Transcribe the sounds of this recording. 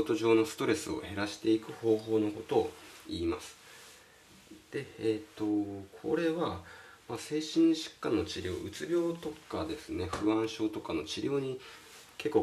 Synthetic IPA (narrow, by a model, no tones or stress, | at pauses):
t̪o̞ʑo̞ːno̞sɨ̥t̪o̞ɾe̞sɨo̞̰he̞ɾaɕi̥t̪e̞ikɯ̟ho̞ːɦo̞ːno̞ko̞t̪o̞iːmasɨ̥ | d̪̥e̞et̪ːo̞kʰo̞̰ɾe̞βamase̞ːɕĩɰ̃ɕɨ̥kːãnːo̞t͡ɕiɾʲo̞̰ːʔɯ̟t͡sɨbʲjo̞ːt̪o̞kad̪e̞sɨne̞ɸɯ̟ãɰ̃ɕo̞ːt̪o̞kano̞t͡ɕiɾʲʔo̞ːɲ̟i | ke̞kːoː